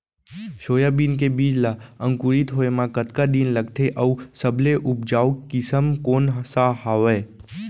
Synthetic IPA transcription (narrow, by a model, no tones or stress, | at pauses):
ʃoːjaːbiːnkebiːd͡ʒlaːə̃ŋkuɾit̪ɦoːemãkət̪kad̪inləɡt̪ʰeʔəusəbleʔʊp̚d͡ʒaːukɪsəmkoːnɦsaɦaːʋeː